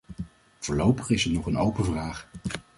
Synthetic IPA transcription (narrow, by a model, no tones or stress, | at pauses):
v̥ʊːɹlowpəχɪsɛnɔχənowpənvraːχ